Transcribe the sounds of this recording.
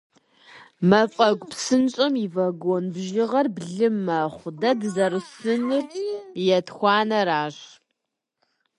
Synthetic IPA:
mɐfʼɐɡʷʼpsɨnt͡ʃʼɐmivɐɡʷonbʒɪʁɐrbɮɨmɐχʷdɐdzɐrɨsɨnɨrjɛtxʷɑːnɐɾaːɕ

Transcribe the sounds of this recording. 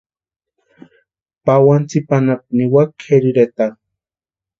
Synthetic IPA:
pawant͡sipanap̚niwakʰeɾiɾet̪a

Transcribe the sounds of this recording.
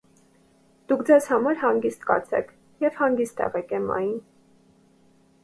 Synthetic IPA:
d̪̥ukʰd͡zɛzhɑmɑɾhɑŋɡist̪kɑ̰ɾt͡sʰɛ̰kʰ | jɛvhɑŋɡist̪ʰɛ̰ʁɛkɛmɑ̰jn

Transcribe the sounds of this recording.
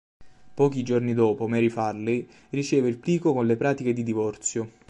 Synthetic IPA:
pɔːk̟id͡ʒornid̪ɔːpomɛɾifarli | rit͡ʃɛːveilpliːkokonlepɾaːt̪iked̪id̪ivɔrt̪sjo

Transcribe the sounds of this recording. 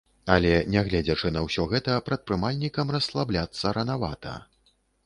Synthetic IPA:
ɐlʲɛnʲɛɣlʲɛd͡zʲɐt͡ʂɨnɐwsʲɔɣɛt̪ɐpɾɐt̪̚pɾɨmalʲnʲikɐmrɐslˠablʲat̪sːɐɾɐnava̰t̪ɐ̰

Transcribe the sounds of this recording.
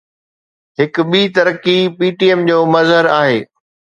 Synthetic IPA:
ɦhɪkʊ̆ɓiːt̪ɐɾkipiːʈiɛmd͡ʑoːmɐzɦəɾaːɦḛː

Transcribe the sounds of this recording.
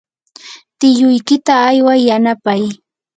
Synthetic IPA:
t̪ɪjʊjkɪt̪aːjwajːanapaj

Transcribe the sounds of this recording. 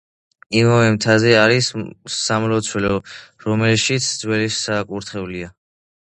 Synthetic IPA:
imavɛmt̪ʰazɛaɾisamlɔt̪sʰwɛlɔɾɔmɛlʃit̪sʰd̪zwɛlisakʼuɾt̪ʰχɛvlia

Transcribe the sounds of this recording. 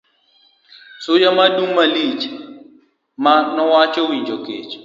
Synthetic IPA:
sujamaɗumalit͡ʃa | manɔwat͡ʃɔwiɲd͡ʒɔket͡ʃɔ̥

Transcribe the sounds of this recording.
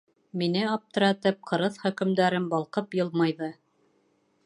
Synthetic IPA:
minɘɑp̚t̪ɤ̆ɾæt̪ɘp̚qʰɤ̆ɾɤðχɵ̆kɘ̆md̪æɾɘmbɑlˠqɤpjɤ̆lˠmɑjðɤ

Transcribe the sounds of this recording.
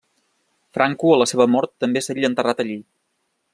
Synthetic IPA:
fɾʔaŋkuələseβəmɔɾt̪ːəmbesaʎənt̪ərat̪əʎi

